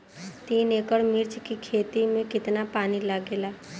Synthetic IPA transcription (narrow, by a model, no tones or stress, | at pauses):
t̪iːneːkəɽmɪɾt͡ʃkikʰeːt̪imẽkɪt̪napaːnilaɡeːlaː